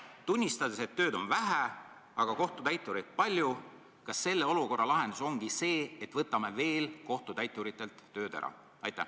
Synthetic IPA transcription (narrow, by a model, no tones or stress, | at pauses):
t̪unʲːist̪ɑd̪̥e̞se̞t̪ːø̞ːd̪o̞nvæɦæ | ɑɡ̥ɑko̞ht̪ut̪æjt̪ˑːuɾit̪̚pɑlʲju | kɑsːe̞lːe̞o̞luko̞rːɑlɑɦe̞nd̪uso̞ŋɡ̥ise̞ːet̪ːvɤt̪ːˑɑme̞ve̞ːlko̞ht̪ut̪æjt̪ːˑuɾit̪ːˑe̞lt̪ːø̞ːd̪ḛɾɑ̰ | ɑ̰jt̪ːˑæ̰